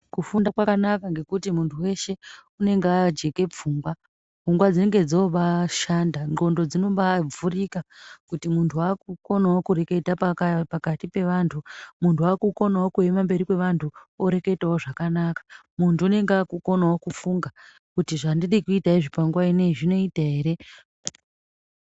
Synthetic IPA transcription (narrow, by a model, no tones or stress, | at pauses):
kufundakwakanakaŋɡe̞kutimuntʰuwe̞ʃe̞une̞ŋɡead͡ʒe̞ke̞p͡fuːŋɡwa | fuŋɡwad͡zineŋɡe̞d͡zoʋaʃandaŋɡo̞ndo̞d͡zino̞ɓab͡vurikakutimuntʰuakuko̞nawokuɾe̞ke̞tappakatipe̞ʋantʰumuntʰuaːkuko̞nawo̞kue̞mambe̞ɾikwe̞ʋantʰuoɾe̞ke̞tawoʐakanakḁmuntʰuune̞ŋɡeakuko̞nawo̞kufuŋɡa | kutiʐandiɗikuitaiʐipaŋɡwaine̞iʐino̞itaɦe̞ɾe̞